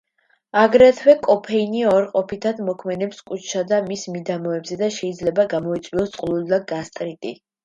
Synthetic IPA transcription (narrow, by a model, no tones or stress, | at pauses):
aɡɾɛt̪ʰwɛkʼɔpʰɛiniɔɾqʼɔpʰit̪ʰad̪mɔkʰmɛd̪ɛpskʼut͡ʃʰʃad̪amismid̪amɔɛbzɛd̪aʃɛid̪zlɛbaɡamɔit̪sʼwiɔst̪sʼqʼlˠuld̪aɡast̪ʼɾit̪ʼi